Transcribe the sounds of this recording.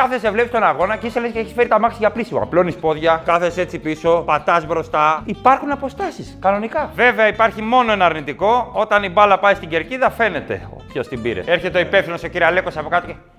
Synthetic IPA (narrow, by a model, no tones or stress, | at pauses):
kɐθe̞sevle̞pist̪o̞nɐɣo̞nɐceiselesceeçi̥sfeɾit̪ɐmɐksiʝɐplisim̰plonispo̞ðʝɐkɐθese̞t͡sipiso̞pɐt̪ɐzbɾo̞st̪ɐipɐɾxunɐpo̞st̪ɐsiskɐno̞nikɐve̞veɐipɐɾçimo̞no̞enɐɐɾnit̪iko̞o̞t̪ɐnibɐlɐpɐist̪iɲɟe̞ɾciðɐfe̞net̪e̞̰o̰pçost̪ibḭɾḛe̞ɾçet̪eoipe̞fθino̞so̞ciɾiɐle̞kosɐpokɐt̪oce